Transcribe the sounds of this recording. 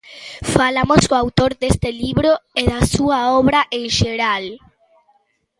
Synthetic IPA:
falamoskoawt̪oɾd̪est̪eliβɾoeðasuaɔβɾaʔẽŋʃeɾal

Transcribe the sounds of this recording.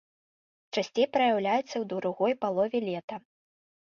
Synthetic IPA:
t͡ʂasʲt͡sʲejpɾɐjawlʲajɛt̪sːɐwd̪uɾuɣɔjpalˠɔvʲɛlʲɛt̪ɐ

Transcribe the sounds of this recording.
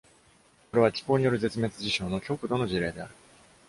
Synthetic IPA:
koɾe̞β̞at͡ɕʲi̥ko̞ːɲ̟ijo̞ɾɯ̟ze̞t͡sɨme̞t͡sɨʑiɕo̞ːno̞kʲo̞kɯ̟d̪o̞no̞ʑiɾe̞ːd̪e̞aɾɯ̟

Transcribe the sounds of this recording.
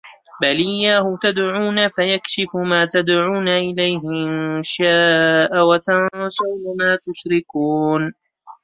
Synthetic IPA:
balɪjːaːhʊt̪ad̪ʕuːnafajakʃɪfʊmaːt̪ad̪ʕuːnaʔɪlajɦɪɪnʃaːʔawat̪ansawnamaːt̪ʊʃɾɪkuːn

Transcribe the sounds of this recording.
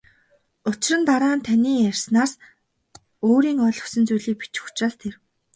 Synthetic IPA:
ʊt͡ɕɪ̆rə̆nt̪aɾaːnt̪ʰanʲiːjærʲsnaːs | oːɾiːŋɔɮɵ̥sɵ̆nt͡sujɮiːk̚pi̥t͡ɕu̥xʰt͡ɕraːɮt̪ʰer

